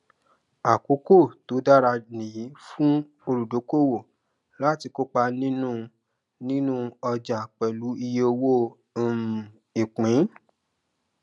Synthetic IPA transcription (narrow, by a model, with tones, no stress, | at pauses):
a˨ko˨˦ko˦˨to˨˦da˦ɾa˧nĩ˨ji˨˦fũ˦ | o˧ɾu˨do˨˦ko˦˨wo˦˨ | la˦ti˧ko˦k͡pa˧nĩ˦nũ˦ | nĩ˦nũ˦ɔ˧d͡ʒa˨k͡pɛ˨lu˨˦i˧je˧o˧wo˦˨ | i˨k͡pĩ˨˦